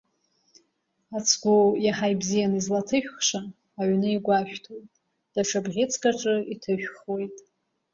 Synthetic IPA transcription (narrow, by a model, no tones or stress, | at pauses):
at͡sʰɡʷujaħajbzijanizlatʰɨʃᶣχʂaː | ɥnɨiɡʷaʃᶣtʰotʼ | d̥aʂʰabʁʲit͡sʰkʼaʈ͡ʂʼɨitʰɨʃᶣχwe̞jtʼ